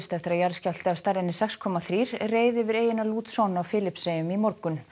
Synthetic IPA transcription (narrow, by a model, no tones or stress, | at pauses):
st̪ɛft̪ɾajaɾscal̥t̪ɪawst̪aɾðɪnːɪsɛkskʰɔːmaθɾiːɾ̥reːjðɪvɪɾeːjɪnaluːt̪sɔwnawfɪːlɪpsejʏmimɔɾkʏn